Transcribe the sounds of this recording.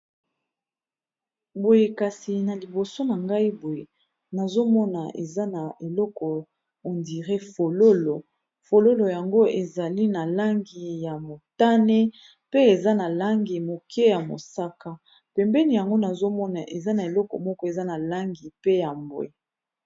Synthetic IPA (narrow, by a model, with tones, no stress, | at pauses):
bo˨je˨ka˨si˨na˨li˨bo˨so˦na˨ŋɡa˦i˦bo˨je˨ | na˨zo˦mɔ˦na̰˨ʔḛ˨za˦na˨e˨lɔ˦kɔ˨ | o˨ndi˨ʁe˦fo˨lo˦lo˨ | fo˨lo˦lo˨ja˨ŋɡo˦ʔe˨za˨li˦na˨la˦ŋɡi˨ja˨mo˨ta˦ne˦ | pe˦e˨za˦na˨la˦ŋɡi˨mo˨kʰɛ˦ja˨mo̰˨sa˦ka˦ | pɛ˨mbɛ˦ni˨ja˨ŋɡo˦na˨zo˦mɔ˦na˨ʔe˨za˦na˨e˨lɔ˦kɔ̰˨mɔ˦kɔ˦e˨za˦na˨la˦ŋɡi˨pe˦ja˨mbwḛ˨